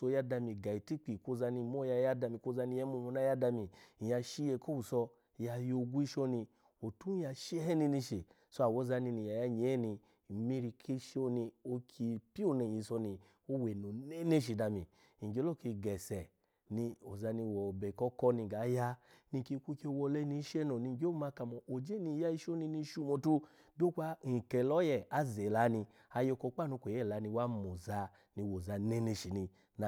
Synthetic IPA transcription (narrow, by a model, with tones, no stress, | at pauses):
so˧ja˦da˧mi˧ɡa˨i˨ti˦k͡pi˨ko˧˦za˧ni˧mɔ˦ja˧ja˦da˧mi˧ko˧˦za˧ni˧ɛ˦mo˧mo˧na˦ja˦da˧mi˧i˨ja˧ʃi˦je˧ko˦u˨sɔ˧ | ja˧jo˧ɡu˦i˦ʃɔ˧ni˧ | o˨tu˦a˧ʃi˦ɛ˦hɛ˦ni˧ni˧ʃe˨ | so˦a˨wo˨˦za˧ni˧ni˧˨ja˨ja˧ɲe˨˦ɛ˦ni˧˨ | mi˧ɾi˧kʰe˧˦ʃe˦o˧˦ni˧o˧kʰi˧pi˦o˦˨ne˧˨ji˧sɔ˧ni˧ | o˦we˨no˨ne˦ne˦ʃ̬i˨da˧mi˨ | i˨ɡe˨˦lo˦˨ki˧ɡɛ˨sɛ˨ | ni˧o˨za˧ni˧wɔ˨bɛ˨kɔ˦kɔ˦ni˧˨ɡa˨˦ja˦ni˧˨ki˧kʷu˧˦ki˦o˧wɔ˧lɛ˦˧ni˧˦ʃɛ˦nɔ˨ni˧˨ɡma˧ka˨mɔ˨ʔo˨d͡ʒe˦ni˧˦ja˧i˧ʃo˦ni˧ni˧˦ʃu˧˨mɔ˧˨tu˧˦ | do˦kʷa˧˦ŋ̩˨kɛ˨lɔ˨˦jɛ˦˨a˧˦ze˨la˨˦ni˧ | a˧jo˧kɔ˧˦k͡pa˦˨no˨˧kʷe˨ɛ˦˨la˨˦ni˧wa˦mo˨za˧ | ni˧wo˨za˧ne˦ne˧˨ʃi˨ni˧ | n˨